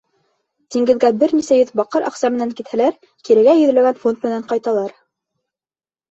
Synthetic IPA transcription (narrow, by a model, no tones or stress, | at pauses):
t̪iŋɡɘ̆ðɡæbɘɾnisæjɵðbɑqɤɾʔɑ̰qsɑmɘ̆næŋkit̪hælæɾ | kiɾɘ̆ɡæjɵ̆ðɘ̆læɡænfont̪mɘ̆næɴqɑjt̪ɑlˠɑɾ